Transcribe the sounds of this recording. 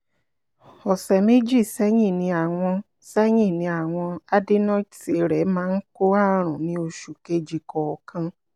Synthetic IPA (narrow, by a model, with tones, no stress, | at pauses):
ɔ˨sɛ˨me˦d͡ʒi˦˨sɛ˦ɲĩ˦˨nĩ˧a˨w̃ɔ̃˧ | sɛ˦ɲĩ˦˨nĩ˧a˨w̃ɔ̃˧a˦de˦nɔ̃˦te˨ɾɛ˨˦mãː˦n̩˦ko˦a˦ɾ̃ɔ̃˨nĩ˨˦o˧ʃu˨ke˧˦d͡ʒi˨kɔ˨ɔ˨kʰã˧